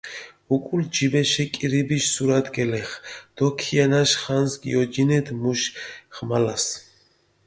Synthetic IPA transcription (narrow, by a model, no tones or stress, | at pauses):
ukʼuld͡ʒibɛʃɛkʼiɾibiʃsuɾad̪ɡɛlɛχd̪̥ɔkʰianaʃχansɡḭɔd͡ʒinɛd̪muʃχmalas